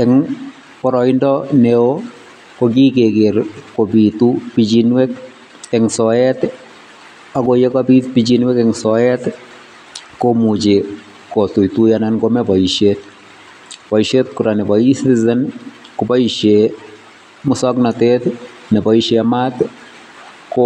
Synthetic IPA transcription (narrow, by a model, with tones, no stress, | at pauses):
ɛŋ | pɔ˨ɾɔ˨indɔneo | koɡi˦ke˨ɡe˨ɾko˨bi˨t̪upid͡ʒinwɛ˦k̚ | ɛŋsɔɛt̪ | akoje˦kabi˦t̪pid͡ʒinwɛkɛŋsɔɛt̪ | ko˦mu˨d͡ʒe˨ | ko˨t̪u˨i˨t̪u˦jananɡo˦mɛ˦ba˨iʃet̪ | pa˨i˨ʃe˦t̪̚ku˨ɾa˨nɛ˨ba˨isit̪izɛ˦n | kopa˦iʃe˨ | mʊ˦sɔ˦knat̪et̪ | nɛ˨pa˨iʃema˦t̪ | ko